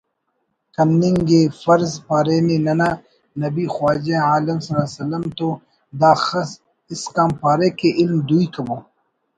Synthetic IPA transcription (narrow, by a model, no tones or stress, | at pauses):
kɐmniŋɡefɐɾzpaːɾeːnenɐnaː | nɐbiːxwaːd͡ʒẽaːlɐmsɐlaːsɐlɐmt̪o | d̪aːxɐs | ɪskaːmpaːɾekeʔɪlmd̪uikɐboː